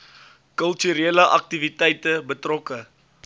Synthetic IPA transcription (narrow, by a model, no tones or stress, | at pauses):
kəlˠtyɾeːləʔɐk̚tivitɛjtəbətrɔkə